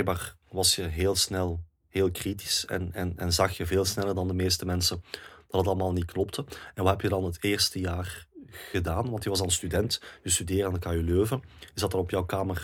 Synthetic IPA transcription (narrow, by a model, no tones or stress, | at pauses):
bɛjɡ̚baːrʋɑsjəɦeːlˠsnɛlˠ | heːlˠkriti̥sɛ̰nɛ̰nɛnzɑxjəveːlˠsnɛlˠərdɑndəmeːstəmɛnsənd̥ɑdɑtɑlˠəmaːlˠnit̚klɔp̚tʰəɛnʋɑtɦɛpjədɑnɦəteːrstəjaːrɣədaːnʋɑntjəʋɑs̬ɑnstydɛntjəstydeːaːnəkajyløːvəɪzdɑtərɔpjɔwkaːmər